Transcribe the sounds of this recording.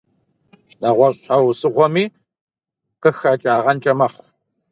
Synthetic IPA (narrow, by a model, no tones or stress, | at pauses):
nɐʁʷɔɕʼħawsɨʁʷɔmiː | qəxat͡ʃʼaːʁɐnt͡ʃʼɐmɐχʷ